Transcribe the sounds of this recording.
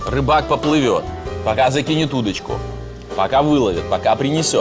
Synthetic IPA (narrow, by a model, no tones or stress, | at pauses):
rɨbak̚pəplˠɨvʲo̰t̪̚pɐkazɐkʲinʲɪt̪ud̪ət͡ɕkʊ̰ | pɐkavɨlˠəvʲɪt̪̚pɐkapɾʲɪnʲɪsʲot̪